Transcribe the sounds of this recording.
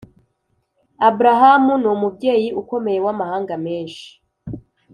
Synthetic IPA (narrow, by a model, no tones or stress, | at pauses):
abuɾaɦamunumubɟe̞ːjiuko̞me̞je̞wamahaːŋɡameːnʃi̥